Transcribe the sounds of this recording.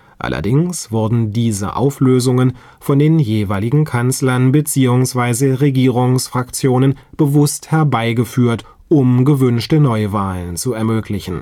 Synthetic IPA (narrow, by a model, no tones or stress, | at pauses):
ʔa̰lʔɐ̰dɪŋsv̥ʊɐdn̩diːzə̰ʔa̰ʊfløːzʊŋən | fɔndeːnjeːvaɪlɪɡŋ̩kʰant͡slɐnbət͡siːʊŋsv̥aɪzəʁeɡiːʁ̞ʊŋsfʁ̥akt͡sjoːnənb̥əvʊsthɛɐbaɪɡəfyːɐt | ʔʊmɡəvʏnʃtənɔʏvaːlənt͡suɛɐmøːklɪçn̩